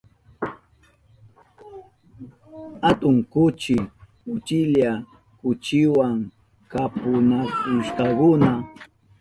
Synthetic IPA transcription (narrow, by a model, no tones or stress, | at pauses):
hat̪ʊŋkʊt͡ʃɪkʊt͡ʃɪʎa | kʊt͡ʃɪwaŋ | kapʊnakʊʃkakʊna